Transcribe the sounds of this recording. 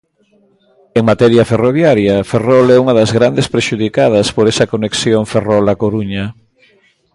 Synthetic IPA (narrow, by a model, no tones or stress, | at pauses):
eŋmat̪ɛɾjɐferoβ̞jaɾjɐferɔlɛuŋɐðɐzɣɾand̪espɾeʃuð̞ikað̞ɐspoɾesɐkoneksjoŋferɔlakoɾuɲɐ